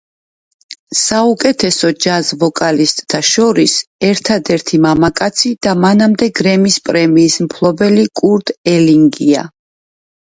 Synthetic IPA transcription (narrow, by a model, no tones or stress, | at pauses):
saukʼɛt̪ʰɛsɔd͡ʒazvɔkʼalist̪ʼt̪ʰaʃɔɾisɛɾt̪ʰad̪ɛɾt̪ʰimamakʼat̪sʰid̪̥amanamd̪ɛɡɾɛmispʼɾɛmiːsmpʰlˠɔbɛlikʼuɾd̪̥ɛliŋɡia̰